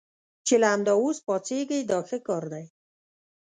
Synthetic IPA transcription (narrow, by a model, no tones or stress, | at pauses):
t͡ʃelaːmd̪ɑospɑt͡seɡejd̪ɑxekɑɾd̪aj